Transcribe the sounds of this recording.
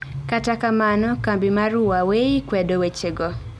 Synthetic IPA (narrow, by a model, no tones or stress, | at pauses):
katakamanɔkambɪmaɾʊwaweikwɛdowet͡ʃeɡɔ